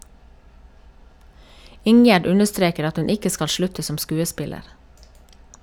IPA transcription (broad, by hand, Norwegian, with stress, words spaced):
ˈɪŋjæɖ ˈʉnəˌstɾeːkəɾ ˈɑt ˈhʉn ˈɪkə ˈskɑl ˈʃlʉtə ˈsɔm ˈskʉːəˌspɪləɾ